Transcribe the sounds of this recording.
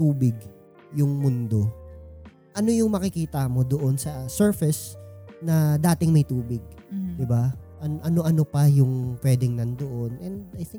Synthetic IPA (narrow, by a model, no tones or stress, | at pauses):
t̪uːbɪɡ | jʊŋmʊnd̪o̞ | ʔɐno̞jʊŋmɐkɪkiːt̪ɐmo̞d̪oʔo̞nsɐsɛɹfɪsnɐd̪aːt̪ɪŋmɐjt̪uːbɪɡ̚d̪ɪbaʔɐnoʔɐno̞ʔɐno̞pɐjʊŋpwɛːd̪ɪŋnɐnd̪oʔonʔɛnd̪ɐjθɪ̃ŋ